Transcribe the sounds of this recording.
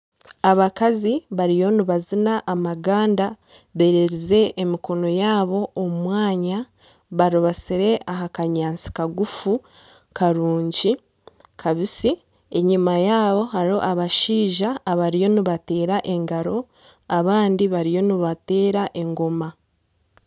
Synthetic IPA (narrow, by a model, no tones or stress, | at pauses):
aβakaziβaɾijo̞niβazinaʔːmaɡaːnda | βe̞ɾeɾize̞ʔːmiko̞no̞jaːβo̞ːmwaːɲa | βaɾoβasiɾe̞ʔaɦakaɲaːnt͡si̥kaɡufu | kaɾuːɲɟi | kʰaβisi | e̞ɲimajaːβo̞ɦaɾo̞ʔaβaʃiːʒaːβaɾijo̞niβate̞ːɾaʔe̞ŋɡaɾo̞ | aβaːndiβaɾijo̞niβate̞ːɾaʔe̞ŋɡo̞ma